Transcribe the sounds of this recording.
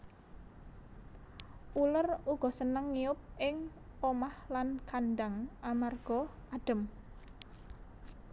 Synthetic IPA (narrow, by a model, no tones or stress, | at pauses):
ʔuləruɡ̥ɔ̤sənəŋːiʊp̚ʔɪŋ | omahlankanɖaŋʔamarɡ̥ɔ̤ | aɖ̥ə̤m